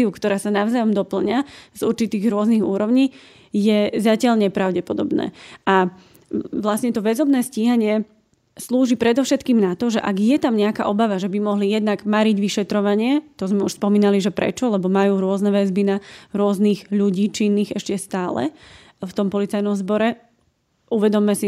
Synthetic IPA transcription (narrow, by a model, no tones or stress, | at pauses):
iukt̪ɔɾaːsanaʊzajɔmd̪ɔpl̩ɲazuɾt͡ʃit̪iːɣɾʊɔzniɣṵːɾɔʊɲiː | jɛzacɪaʎɲɛpɾaʊɟɛpɔd̪ɔbnɛ̰ːʔa | ʋlasɲɛt̪ɔʋɛzɔbnɛːsciːɦaɲɪɛ | sluːʒipɾɛd̪ɔʊʃɛt̪kiːmnat̪ɔʒɛʔaɡjɛt̪amɲɛaka̰ʔɔbaʋaʒɛbimɔɦlijɛd̪naɡmaɾiɟʋiʃɛt̪ɾɔʋaɲɪɛt̪ɔzmɛuʃspɔmiːnaliʒɛpɾɛ̰t͡ʃɔlɛbɔmajuːɾʊɔznɛʋɛzbinaɾʊɔzniɣʎuɟiːt͡ʃinːiːɣɛʃcɛst̪aːlɛ̰ | ft̪ɔmpɔlit͡sajnɔmzbɔɾɛ | uʋɛd̪ɔmːɛsi